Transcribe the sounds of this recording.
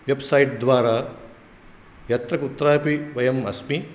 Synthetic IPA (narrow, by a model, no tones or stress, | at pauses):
ʋebsɐjʈ̚d̪ʋaːɾaː | jɐt̪ɾɐkut̪ːɾaːpiʋɐjɐmɐsmi